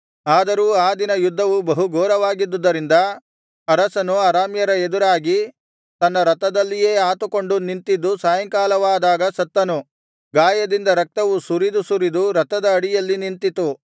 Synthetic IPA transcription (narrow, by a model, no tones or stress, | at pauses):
aːd̪ɐɾuːaːd̪inɐjud̪ʱːɐʋubɐɦuɡɔːɾɐʋaːɡid̪ːud̪ːɐɾind̪ɐ | ɐɾɐsɐnuaɾaːmjɐɾɐed̪uɾaːɡi | t̪ɐnːɐɾɐt̪ɐd̪ɐlːijeːaːt̪uko̞ɳɖunint̪id̪ːusaːjɐŋkaːlɐʋaːd̪aːɡɐsɐt̪ːɐnu | ɡaːjɐd̪ind̪ɐɾɐk̚t̪ɐʋusuɾid̪usuɾid̪uɾɐt̪ɐd̪ɐːɽijɐlːinint̪it̪u